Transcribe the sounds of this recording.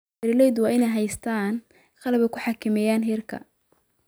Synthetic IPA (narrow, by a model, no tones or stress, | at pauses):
ɛɾɪlɛjd̪wɑːɪnɛjɦɛjst̪ʰaːn | qɑlɐβɛkʰʊħɑkʰɪmɛjaːnɦɪrkʰɐ̰